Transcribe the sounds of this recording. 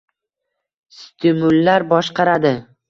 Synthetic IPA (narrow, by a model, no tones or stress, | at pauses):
st̪ʰɪmʊlːaɾbɒʃqɑɾad̪ɪ